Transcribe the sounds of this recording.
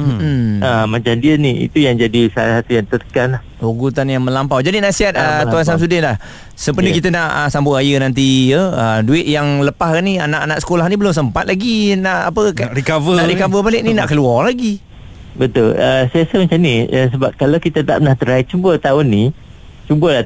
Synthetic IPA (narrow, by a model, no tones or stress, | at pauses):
əmat͡ʃamdiəniḭt̪ujaŋd͡ʒadisaasat̪ujaŋt̪ət̪ə̥kanlah | oɡut̪anjaŋmə̃lampawd͡ʒadinaʔsiat̪̚ət̪uans̬ams̬udɪnlah | səpənəkit̪ənaʔəsambʊʔajənant̪̬iəəduɪt̪̚jaŋləpahkanianaʔanaʔsə̥kolahnibəlʊms̬əmpat̪̚lʔaɡinaʔa̰pəkaɾikavənaɾikavəbalɪk̚ninaʔkəluɔrlaɡi | bət̪ʊləsiasamat͡ʃamniəs̬əbap̚kalawkit̪at̪a̰ʔpənaht̪əɾait͡ʃumbət̪aʊnːi | t͡ʃumbəla